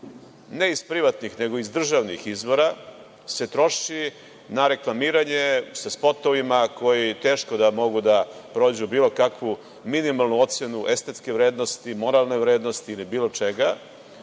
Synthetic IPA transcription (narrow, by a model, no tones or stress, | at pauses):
ne̞ispɾiʋat̪nixne̞ɡo̞izd̪r̩ʒaʋnixizʋo̞ɾa | se̞t̪ɾo̞ʃi | naɾe̞klˠamiːɾaɲe̞saspo̞t̪oʋimako̞jit̪e̞ːʃko̞d̪amo̞ɡud̪apɾod͡ʑubiːlo̞kakʋu | minimalˠnuo̞t̪senuʔe̞st̪e̞t̪ske̞ʋɾeːd̪nost̪imo̞ɾalˠneʋɾe̞ːd̪no̞st̪iːlibiːlˠot͡ʃe̞ɡa